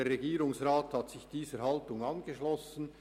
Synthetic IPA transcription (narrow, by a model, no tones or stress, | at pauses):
eːrːeɡiːɾʊŋsraːthɑtsɪçd̥iːzəhɑltʊŋɑnɡeʃlɔsən̩